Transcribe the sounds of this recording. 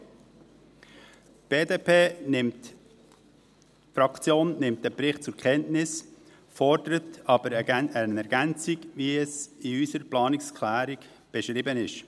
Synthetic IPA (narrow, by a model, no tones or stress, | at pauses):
b̥eːdeːpʰeːnɪmt | fɾɑkt͡sjoːnːɪmt̚əpɾɪχt̚t͡sʊɾkʰχɛntnɪs | fɔrd̥əɾətɑb̥əɾəənɛɾɡ̥ænt͡siɡviɛsiysəɾplɑːnɪkskʰlæːɾiɡ | b̥ɛʃɾɪbənɪʃ